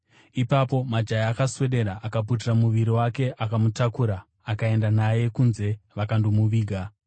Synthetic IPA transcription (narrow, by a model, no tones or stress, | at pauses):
ipapo̞mad͡ʒajakaswe̞ɗe̞ɾaʔakap̬ut̬iramuʋiɾiwake̞ʔakamutakuɾaː | kae̞ndanaje̞kunze̞ʋakandomuʋiːɡʱa